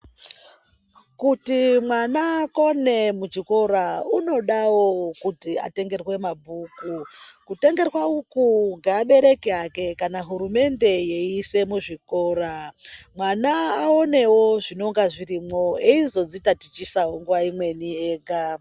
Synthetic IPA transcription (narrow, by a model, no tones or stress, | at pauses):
kutimwanako̞ne̞mud͡ʒiko̞ɾauno̞ɗawo̞kutia̰te̞ŋɡe̞rwe̞mabʱuːkukute̞ŋɡe̞rwaukuŋɡeaɓe̞ɾe̞kiake̞kanaɦuɾume̞nde̞je̞ise̞muʐiko̞ɾamwanaːo̞ne̞wo̞ʐino̞ŋɡaʐirimo̞eizo̞d͡zitatit͡ʃisawoŋɡuʋaimwe̞nieːɡʱa